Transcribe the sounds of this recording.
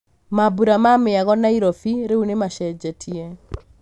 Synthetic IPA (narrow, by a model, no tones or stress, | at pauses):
mabuɾamameaɣɔnaiɾɔfiɾeunemaʃɛd͡ʒɛtʰiɛ